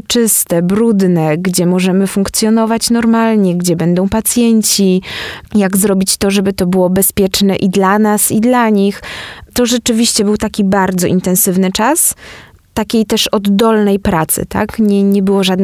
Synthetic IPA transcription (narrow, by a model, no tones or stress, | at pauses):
t͡ʂɘst̪ɛbɾud̪nɛɡd͡ʑɛmɔʐɛmɘfuŋkt̪sʲjɔnɔvat͡ɕnɔɾmalɲɛɡd͡ʑɛbɛnd̪ɔ̃w̃pat̪sʲjɛɲt͡ɕijaɡzɾɔbʲit͡ɕt̪ɔʐɛbɘt̪ɔbɘwɔbɛspʲjɛt͡ʂnɛʔid̪lanasid̪laɲixt̪ɔʐɛt͡ʂɘvʲiɕt͡ɕɛbɘwt̪akʲibaɾd̪zɔʔint̪ɛñsɘvnɘt͡ʂas | t̪akʲejt̪ɛʂɔd̪ːɔlnɛjpɾat̪sɘ̰t̪a̰kɲɛɲɛbɘwɔʐad̪n